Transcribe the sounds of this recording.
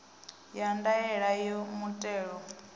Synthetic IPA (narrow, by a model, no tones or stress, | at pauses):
jandaɛɺajɔmutʼɛːɺɔ